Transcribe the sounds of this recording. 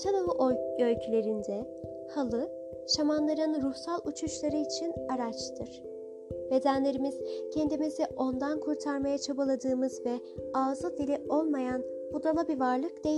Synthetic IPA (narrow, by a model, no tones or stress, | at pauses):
t̪ʰanavɯʔølʲcʰylʲe̞ɾind̪ɛ | halˠɯ | ʃamanlˠaɾɯnɾuhsalˠut͡ʃʰuʃlˠaɾɯit͡ʃʰinaɾat͡ʃt̪ʰɯɾ̥ | be̞d̪ænlʲe̞ɾimiz̥cʰend̪imizɛʔo̞nd̪ankʰuɾt̪ʰaɾmajat͡ʃʰabalˠad̪ɯːmɯzvɛ | aːzɯd̪ilʲiʔo̞lˠmajan | bud̪ɾalˠabivaɾlˠɯkd̪e̞j